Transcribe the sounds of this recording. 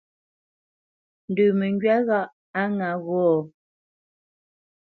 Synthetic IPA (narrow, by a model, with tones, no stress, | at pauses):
n̩˨dʉː˨me˨ŋɡɥa˦ɣa˦˨ʔ | a˦ŋa˨˦ɣɔː˦˨